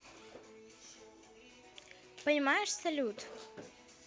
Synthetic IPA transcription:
pɐjmajɛʂsɐlʲut̪

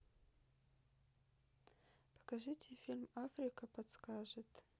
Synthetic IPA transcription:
pʰḁkaʒɨtʰʲefʲilʲmafrʲikʰɐpʰadskaʒetʼ

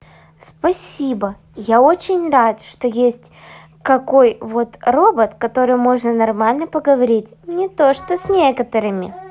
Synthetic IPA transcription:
spɐsʲibə | jao̞t͡ɕɪnʲrat̪ʂt̪ojesʲtʲ | kɐko̞jvo̞t̪ro̞bət̪kɐt̪o̞ɾɨjmo̞ʐnənɐrmalʲnəpəɡəvɐɾʲitʲnʲɪt̪o̞ʂt̪osʲnʲekət̪əɾɨmʲɪ̰

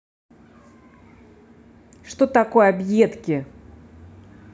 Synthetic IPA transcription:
ʂt̪ot̪ako̞jabjet̪kʲɪ

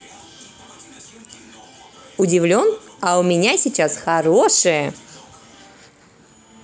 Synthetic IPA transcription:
ʊdʲɪvlʲo̞nɐʊmʲɪnʲasʲɪt͡ɕasxɐɾoʂɨjə

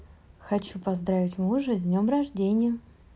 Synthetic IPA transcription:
xɐt͡ɕupɐzd̪ɾavʲɪtʲmuʐɨd̪ʲnʲomrɐʐdʲenʲɪjə

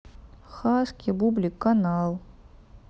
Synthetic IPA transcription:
χaːskʲibublʲikːanalˠ

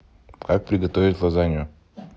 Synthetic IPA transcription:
kak̚pɾʲɪɡɐt̪ovʲɪt̪ʲlˠazanʲɪʊ

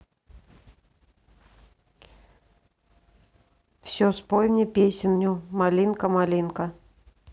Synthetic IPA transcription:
fsʲospojmnʲɪpʲesʲɪnʲːʊmalʲinkəmalʲinkə

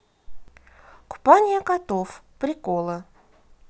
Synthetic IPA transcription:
kʊ̥panʲɪjəkɐt̪ofpɾʲɪkolˠə

